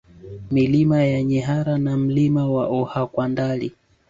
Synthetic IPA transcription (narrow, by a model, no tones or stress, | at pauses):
milimajaɲɛɦaɾanam̩limawaʔɔhakwandali